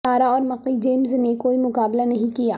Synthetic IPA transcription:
aːɾaɔːɾmɐqid͡ʒeːmznekoːimʊqaːblanɐɦĩkijaː

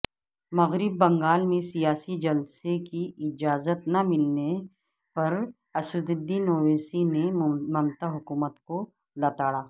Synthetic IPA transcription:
mɐɣɾɪbːɐ̃ŋɡaːlmẽsijaːsid͡ʒɐlsekiɪd͡ʒaːzət̪nɐmɪlne | pɐɾ | ɐsʊd̪ɪd̪inoːʋeːsinemɐmt̪aɦʊkuːmət̪ko | lɐt̪aːɽaː

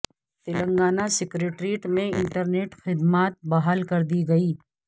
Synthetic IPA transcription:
t̪ɪlə̃ŋɡaːnasɪkɾeːʈɾiːʈmẽɪ̃ɳʈəɾneːʈxɪd̪maːt̪̚bɐɦaːlkɐɾd̪iɡɐiː

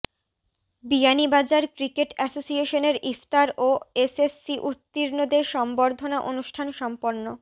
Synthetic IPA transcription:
bianibad͡ʑaɾkɾikeʈɛsosieʃoneɾift̪aɾoesesːiʔut̪ːiɾnod̪eʃɔmboɾd̪ʱonaʔonuʃʈʰanʃɔmpoɾno

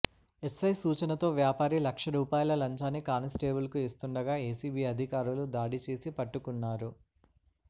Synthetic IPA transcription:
e̞sɐjsuːt͡ʃɐnɐt̪o̞ːʋjaːpaːɾilɐkʂɐɾuːpaːjɐlɐlɐɲt͡ʃaːnːikaːnɐsʈeːbulkuist̪uɳɖɐɡaːeːsiːbiːɐd̪ʱikaːɾulud̪aːɽit͡ʃeːsipɐʈːukunːaːɾu

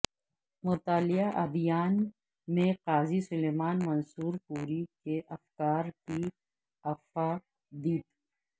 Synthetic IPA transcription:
mʊt̪aːlɪjaʔɐ̰d̪ijaːn | mẽqaːzisʊleːmaːnmɐnsuːɾpuːɾikeʔɐfkaːɾki | ɐfa | d̪iːt̪

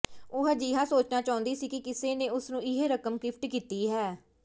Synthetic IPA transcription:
ʊɦɛd͡ʒiːɦãːsoːt͡ʃnaːt͡ʃaːʊnd̪iːsiːkɪkɪseːneːʊsnũːɪɦeːɾəkəmkɪpʰʈkiːt̪iːɦɛː

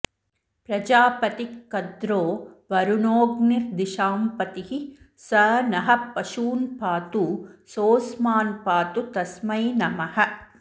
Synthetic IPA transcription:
pɾɐd͡ʒaːpɐt̪ikːɐd̪ɾoːʋɐɾunoːɡniɾd̪iʃaːmpɐt̪ihi | sɐːnɐɦɐ̆pːɐʃuːnpaːt̪usoːsmaːnpaːt̪ut̪ɐsmɐjnɐmɐhɐ̆

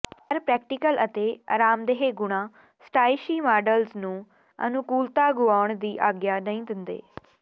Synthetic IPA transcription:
pəɾpɾɛːk̚ʈɪkələt̪eːə̰ɾaːmd̪eːɦeːɡʊɽ̃ãː | sʈaːɪʃiːmaːɖəlznũː | ə̰nʊkuːlt̪aːɡʊaːʊɳd̪iːʔaːɡjaːnəɦĩːd̪ɪnd̪ḛː

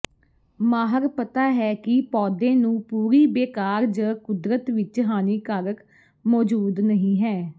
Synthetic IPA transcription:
maːɦəɾpət̪aːɦɛːkɪpɔːd̪ẽːnũːpuːɾiːbeːkaːɾd͡ʒəkʊd̪ɾət̪ʋɪt͡ʃɦaːniːkəɾək | mɔːd͡ʒuːd̪nəɦĩːɦɛː

